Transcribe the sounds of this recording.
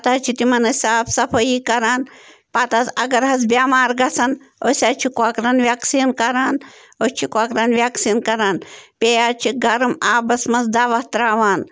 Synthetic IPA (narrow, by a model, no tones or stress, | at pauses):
pɐt̪aːt͡ʃʰit̪imɐnɐsʲaːpʰsɐpʰɐjikɐɾaːnpat̪azɐɡɐɾɦɐsbjaːmaːɾɡɐsɐn | osʲaːt͡ʃʰikuakɾɐnʋʲjaksiːnkɐɾaːn | ot͡ʃʰikʷakɾɐnʋjaksiːnkɐɾaːnpeːjaːt͡ʃʰiɡɐɾɐmaːbɐsmɐsd̪aːʋɐht̪ɾaːʋaːn